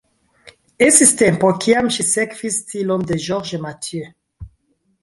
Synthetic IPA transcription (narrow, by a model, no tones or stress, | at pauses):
esistɛ̃mpɔkʰiamʃisɛkfistʰilɔmd̪eʒɔʁʒəmatjø